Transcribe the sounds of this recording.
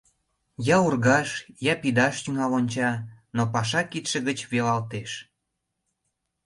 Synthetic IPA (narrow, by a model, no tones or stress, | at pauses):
jɑurɣɑʃjɑpid̪ɑʃt̪yŋɑlonʲt͡ɕɑnopɑʃɑkit̪ʃə̆ɣət͡ɕβelɑlt̪eʃ